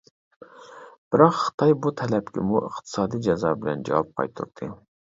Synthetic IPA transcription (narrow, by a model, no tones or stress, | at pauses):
b̥ɪɾɑqχɨ̥t̪ʰɑjbut̪ʰɛlɛpkʲɪ̰muʔəχt̪ʰɨ̥sɑːd̪ijd͡ʒɛzɑːbɪlɛnd͡ʒɛ̰wɑp̚qʰɑ̰jt̪ʰṵɾt̪ʰɨ